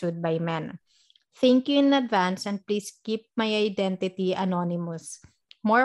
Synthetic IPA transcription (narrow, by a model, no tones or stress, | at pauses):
ud̪̚bajmɛ̃n | θɛ̃ŋkjuɪ̃nɐd̪vãnsɛ̃nd̪̚pliːskip̚majajd̪ɛ̃nt̪ɪt̪iɐnonɪmɔs | mɔ